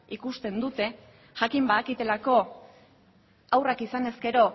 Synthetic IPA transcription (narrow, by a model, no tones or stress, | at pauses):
ikust̪e̞nd̪ut̪e̞ | ʝakimbaːkit̪e̞lako̞ | awrakisane̞ske̞ɾo̞